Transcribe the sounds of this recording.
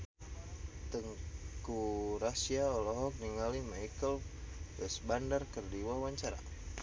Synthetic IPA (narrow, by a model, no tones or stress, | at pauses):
t̪əŋkuɾasiaɔlɔɦɔk̚niŋalimaikəlwɛsbandarkərdiwawaɲt͡ʃaɾa̰